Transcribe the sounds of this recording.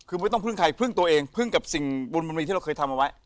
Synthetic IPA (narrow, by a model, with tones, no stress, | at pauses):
kʰɯ˧˦˥jt̪ɔ˥˩ŋpʰɯ˥˩ŋkʰaː˧˩jpʰɯ˥˩ŋt̪u˧ɐʔeː˧ŋpʰɯ˥˩ŋka˨˩p̚si˨˩ŋbo˧nbo˧nmi˧t̪ʰiː˥˩˧kɤː˧jt̪ʰa˧mʔa˧wa˦˥j